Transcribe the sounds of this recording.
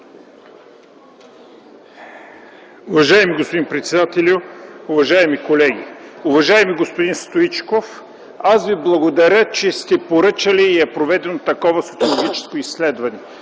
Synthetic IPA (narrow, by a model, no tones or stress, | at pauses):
ʊvɐʒajɛmiɡospod̪inpɾɛt̪sɛd̪at̪ɛlʲʊʊvɐʒaɛmikolɛɡʲḭʊvɐʒaɛmiɡospod̪inst̪oit͡ʃkof | asviblˠɐɡod̪ɐɾʲət͡ʃɛst̪ɛpoɾɤt͡ʃəliːɛpɾovɛd̪ɛnot̪ɐkɔvɐso̥t̪siolˠoɡʲit͡ʃɛ̥skoisːlɛd̪vɐnɛ